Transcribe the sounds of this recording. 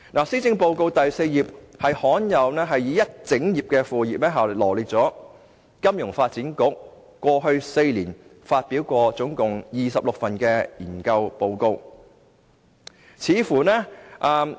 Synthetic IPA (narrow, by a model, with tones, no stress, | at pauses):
naː˨˩siː˥t͡sɪ˧ŋpo˧wko˧wt̪ɐ˨jse˧jjiː˨p̚hɐ˨jhɔː˨˥njɐ˨wnɛː˥ɦɐ˨jiː˨˥jɐ˥t̚t͡sɪ˨˥ŋjiː˨p̚kɛː˧fuː˨jiː˨p̚lɛː˥ɦaː˨wlɔː˨˩liː˨˩t̚t͡sɔː˨˥ | kɐ˥mjʊ˨˩ŋfaː˧t̚t͡siː˨˥nkʊ˨˥k̚ːʷ | ɔː˧ɦɵ˧ɥse˧jliː˨˩nfaː˧t̚piː˨˥wkʷɔː˧t͡sʊ˨˥ŋkʊ˨˩ŋjiː˨sɐ˨p̚lʊ˨k̚fɐ˨nkɛː˧jiː˨˩nkɐ˧wpo˧wko˧w | t͡sʰiː˨˥fuː˨˩nɛː˥ʔaː˨˧m